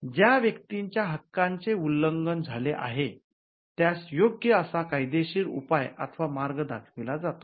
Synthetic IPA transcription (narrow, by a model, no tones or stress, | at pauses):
d͡ʑjaʋjəkt̪iɲt͡ɕjaɦəkːaɲt͡seulːəŋɡənd͡zʱaleʔa̰ɦe | t̪jasjoɡjəəsakajd̪eɕiːɾṵpaja̰t̪ʰəʋamaɾɡəd̪akʰʋilad͡zat̪o̥